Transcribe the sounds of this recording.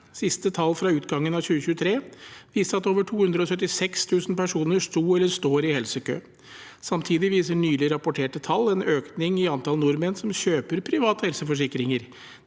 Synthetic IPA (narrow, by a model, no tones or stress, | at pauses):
sɪst̪ət̪ʰɑlːfɾɑʉːt̪ɡɑŋːənɑçʉːəçʉːət̪ʰɾeːʋiːst̪əɾɑt̪oːʋəʈʰuːhʉnd̪ɾəɔsœt̪ːɪsɛkst̪ʰʉːsn̩pæʂuːnəʂt̪uːɛlːəɾʂt̪oːɾɪhɛlsəkʰø̰ː | sɑmt̪ʰiːd̪ɪʋiːsəɳyːlɪɾɑpʊʈʰeːʈət̪ʰɑlːɛnøːknɪŋɪɑnt̪ɑlnʊɾmənsɔmɕøːpəɾpʰɾɪʋɑːt̪əhɛlsəfɔʂɪkɾɪŋəɾ